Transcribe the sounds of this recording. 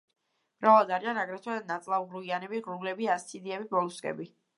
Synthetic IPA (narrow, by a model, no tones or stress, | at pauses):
m̥ɾavlˠad̪aɾianaɡɾɛt̪ʰɛd̪ad̪nat̪sʼlˠaʁɾuianɛbiʁɾulɛbiast̪sʰid̪iɛbibɔlˠuskʼɛ̰bi